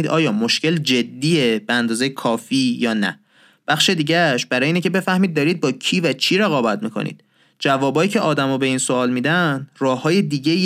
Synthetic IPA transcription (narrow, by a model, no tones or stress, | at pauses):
iːd̪ɒːjɒːmo̞ʃce̞ld͡ʒe̞d̪ːiːeb̥eænd̪ɒːzejekʰɒːfiːjɒːnæ̰ | b̥æχʃed̪iːɟæʃbæɾɒːjeinecʰe̞be̞fæhmiːd̪̚d̪ːɒːɾiːd̪̚bɒːcʰiːvæt͡ʃʰiːɾeɣɒːbæt̪miːkʰo̰nḭːd̪̥̚ | d͡ʒævɒːbɒːjiːcʰeʔɒːd̪æmɒːbe̞iːnsoɒːlmiːd̪ænrɒːhɒːje̞d̪iːɟei